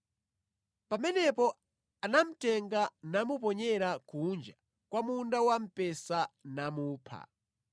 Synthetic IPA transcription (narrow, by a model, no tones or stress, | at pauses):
pamɛnɛpɔ | anam̩tɛŋɡanamupɔɲɛɾakund͡ʒa | kwamundawam̩pɛsanamuːpʰa̰